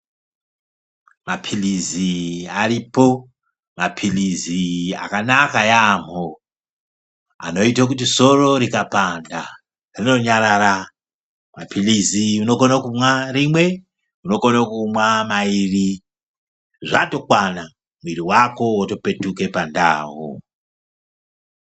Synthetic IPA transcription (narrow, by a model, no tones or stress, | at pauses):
mapʰiliziaripo̞ | mapʰilizia̰kanakajam̤o | a̰no̞it̬akut̬iso̞ro̞ɾikapanda | rino̞ɲaɾaɾa | mapʰiliziuno̞konokumwarimwe̞ | uno̞konokumwamairi | ʐa̰to̞kwana | muiɾiwako̞woto̞pe̞tuke̞panda̰ːɦo̰